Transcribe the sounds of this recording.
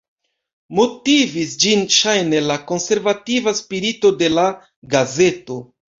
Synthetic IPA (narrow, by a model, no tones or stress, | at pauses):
mo̞tivisd͡ʒinʃajne̞lako̞nse̞ɾvativaspiɾito̞de̞la | ɡaze̞to̞